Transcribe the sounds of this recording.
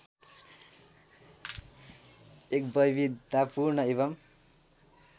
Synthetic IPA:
ek̚bʌjbid̪apuɾnʌeβʌm

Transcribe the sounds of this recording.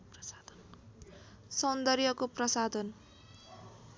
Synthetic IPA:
sʌnd̪ʌrjʌkoprʌsad̪ʱʌn

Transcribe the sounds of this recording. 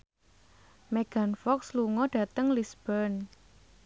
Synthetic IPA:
mɛɡ̥anfɔksluŋɔɖ̥ä̤t̪əŋlisb̥ən

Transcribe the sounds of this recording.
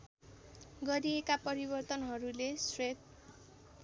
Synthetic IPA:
ɡʌɾiekapʌɾibʌrt̪ʌnɦʌɾulesret̪̚

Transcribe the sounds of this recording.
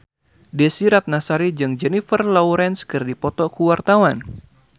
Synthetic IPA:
dɛsiɾat̪̚nasaɾid͡ʒɨŋd͡ʒɛnifərlɔwɾɛnskɨrdipɔt̪ɔkuwart̪awan

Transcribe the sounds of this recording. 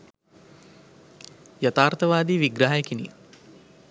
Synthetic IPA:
jat̪aːrt̪əʋaːd̪iːʋiɡɾaɦajekinḭː

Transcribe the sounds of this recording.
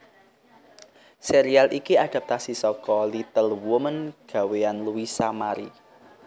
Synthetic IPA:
seɾialʔikiaɖ̪̥a̤p̚t̪asisɔkɔlit̪əlwəmənɡ̥a̤weanluisamaɾi

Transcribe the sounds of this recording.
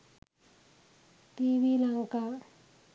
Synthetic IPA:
t̪iwilaŋka

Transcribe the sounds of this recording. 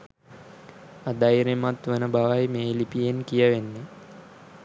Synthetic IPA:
ad̪ajiɾemat̪ʋənəbaʋajmeːlipijenkijəʋenːe

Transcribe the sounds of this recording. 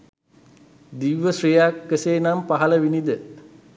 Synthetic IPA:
d̪iʋʋəsrijaːkːəseːnampaɦɐləʋinid̪ə

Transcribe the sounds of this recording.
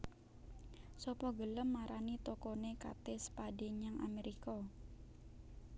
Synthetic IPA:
sɔpɔɡələmːaɾanit̪okɔneka̰t̪ɪspadeɲaŋa̰meɾikɔ

